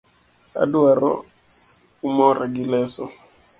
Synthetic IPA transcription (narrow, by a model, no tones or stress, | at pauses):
a̰duaɾɔ̰ | umɔɾʔaɡilɛsɔ